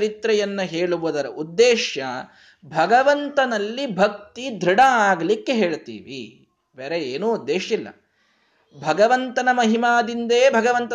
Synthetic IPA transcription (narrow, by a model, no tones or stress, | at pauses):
ɾit̪ɾɐjɐnːɐɦeːɭuʋud̪ɐɾɐʔud̪ːeːʃjɐ | bʱɐɡɐʋɐnt̪ɐnɐlːibʱɐk̚t̪id̪ʱɾiɽɐaːɡɐlikːeɦe̞ːɭt̪ḭːʋḭ | beːɾeeːnuːud̪ːeːʃilːɐ̰ | bʱɐɡɐʋɐnt̪ɐnɐmɐɦimaːd̪ind̪eːbʱɐɡɐʋɐnt̪ɐ